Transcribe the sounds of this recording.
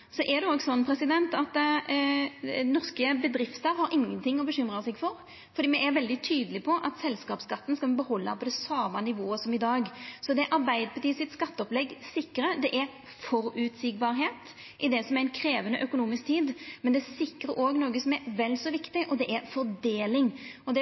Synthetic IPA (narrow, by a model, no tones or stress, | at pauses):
sɔʔɛd̪ɛoːɡsɔnːpʰɾɛsɪd̪ɛnt̪ɑt̪ | nɔʁskəbəd̪ɾɪft̪əɾhɑɾʔɪŋːənt̪ʰɪŋːɔbəɕʏmɾəsɛɡfɔɾ | fɔɾd̪iːmɛʔɛɾʋɛld̪ɪt̪ʰyːd̪əlɪpʰɔʔɑt̪sɛlskɑːpskɑt̪ːn̩skɑbəhɔlːɑpʰɔd̪ɛsɑːmɑnɪʋoːəsɔmɪd̪ɑːɡsɔd̪ɛɛʔɑɾbæɪd̪əpʰɑt̪iːəsɪt̪skɑt̪ːəɔplɛɡsɪkːəɾəd̪ɛʔɛɾ | fɔɾʉt̪sɪɡ̚bɑːɾɦeːt̪ | ʔɪd̪ɛsɔmɛɾɛɪnkʰɾeːʋənəʔœkʊnuːmɪsk̚t̪ʰiːd̪mɛnd̪ɛæsɪkɾəɾoːɡnoːɡəsɔmɛɾʋɛlːsɔʋɪkt̪ɪʔɔd̪ɛʔɛɾfɔɾd̪eːlɪŋɔd̪ɛ